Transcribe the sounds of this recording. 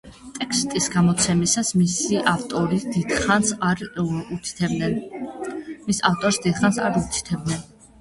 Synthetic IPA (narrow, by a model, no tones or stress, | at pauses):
t̪ʼɛkst̪ʼisɡamɔt̪sʰɛmisasmisiʔaft̪ʼɔɾid̪id̪̥χansɾut̪ʰi̥t̪ʰɛbnɛn | misaft̪ʼɔɾsd̪id̪χansa̰ɾut̪ʰt̪ʰɛb̪nɛn